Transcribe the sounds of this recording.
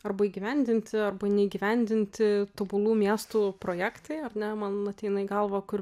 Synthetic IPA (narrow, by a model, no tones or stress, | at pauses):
ɐrbɐiːɡʲiʋʲɛnʲd̪ʲɪnʲt̪ʲɪɐrbɐnʲɛiːɡʲiʋʲɛnʲd̪ʲɪnʲt̪ʲɪt̪obʊlˠuːmʲiɛst̪upɾoːjæːkt̪ɐɪɐrnʲɛmɐnɐt̪ʲɛɪnɐɪɡɐlˠʋɐkʊr